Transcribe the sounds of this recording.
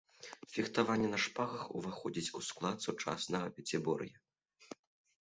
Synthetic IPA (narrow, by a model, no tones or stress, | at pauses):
fʲixt̪avanʲːɛnɐʂpaɣɐxuvaxɔd͡zʲit͡sʲusklˠat̪sut͡ʂa̰snɐɣɐpʲɛt͡sʲɛbɔrjɐ